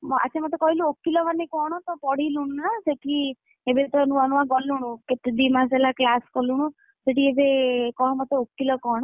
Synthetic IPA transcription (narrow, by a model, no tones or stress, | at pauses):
a̰t͡ʃʰamɔt̪ekɔɦiluokːilɔbanekɔɽ̃ɔt̪ɔpɔɽiluɽ̃unaseʈi | ebet̪ɔnuanuaɡɔluɽ̃ũket̪d̪imaselaklaskɔluɽ̃ũ | seʈiebekɔɦɔmɔt̪eokːilɔkɔɽ̃ɔ